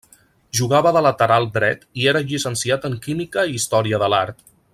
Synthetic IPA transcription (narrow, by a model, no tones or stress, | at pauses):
ʒuɣ̞aβəðələt̪əɾalˠd̪ɾɛt̪ieɾəʎisənsiat̪əŋkimikəiːst̪ɔɾiəðəlaɾt̪